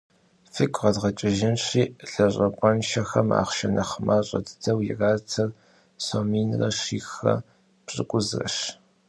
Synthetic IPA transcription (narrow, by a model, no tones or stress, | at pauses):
fɨkʷʼʁɐdʁɐt͡ʃʼɪʒɪnɕiːɬɐɕʷʼɐpʼɔnʃɐxɐma̰ːχʃɐnɐχmaːɕʼɐ̰dʰɨ̥dʰɐwjɪ̰raːtʰɐr | somiːnrɐɕiːxɐ̰ | pɕʼɨ̰kʷʼʊzrɐ̰ʃ